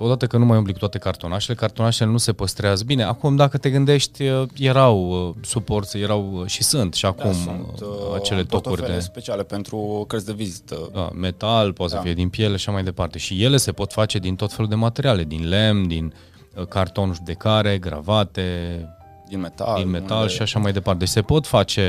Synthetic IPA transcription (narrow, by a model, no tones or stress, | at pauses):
o̞d̪at̪əkənumajumplikut̪wat̪ekart̪o̞naʃe̞le̞kart̪o̞naʃele̞nuse̞pəst̪ɾeazəbine̞akumd̪akət̪e̞ɡɨnd̪e̞ʃt̪ʲəje̞ɾawəsupo̞rt̪sje̞ɾawʃisɨnt̪ʃiakum | a̰t͡ʃe̞le̞t̪o̞k̪urʲd̪espet͡ʃialepent̪ɾukəɾt̪sʲd̪evizit̪əd̪a̰me̞t̪alpot̪səfije̞d̪inpje̞leaʃamajd̪e̞part̪e̞ʃije̞le̞se̞po̞t̪fat͡ʃe̞d̪int̪o̞t̪fe̞lud̪e̞mat̪e̞ɾiale̞d̪inle̞md̪in | kart̪o̞nʒud̪e̞kaɾe̞ɡɾa̰vat̪e̞ | d̪inmet̪ad̪inme̞t̪alʃiaʃamajd̪e̞part̪eet͡ʃʲse̞po̞t̪fat͡ʃe̞